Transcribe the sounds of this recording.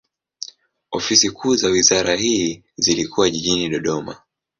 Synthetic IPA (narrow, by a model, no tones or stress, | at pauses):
ɔfisikʰuːzawizaɾahiː | zilikuwaʄiʄiniɗɔɗɔma̰